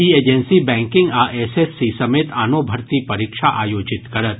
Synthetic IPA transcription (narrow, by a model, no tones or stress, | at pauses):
ieːd͡ʒɛnsibɛ̃ːŋkɪ̃ŋɡaːʔɛːsesːisɐmeːt̪ʰaːnoːbʱɐɾt̪ipɐɾikʃaʔaːjoːd͡ʒɪt̪kɐɾət̪̚